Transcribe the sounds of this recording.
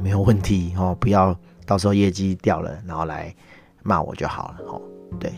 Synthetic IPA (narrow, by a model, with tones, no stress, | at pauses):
me˧˥ɪjo˨˩wə˥˨nt̪ʰi˨˦hɔ˥˩pu˨˦jɑ˥˧ʊ | t̪ɑ˥˩ʊʂ̬ʰɤ˧˥xo˥˧jɛ˥˧t͡ɕi˥˦t̪jɑ˥˨˩ʊlə̰˨na˧˥nxo˥˩ʊla̰˧˦ɪ | ma̰˥˨wɔ̰˨˩t͡ɕjo˥˩ʊxɑ̰˨˩ʊlə˦hɔ̰˨˩t̪we˥˩ɪ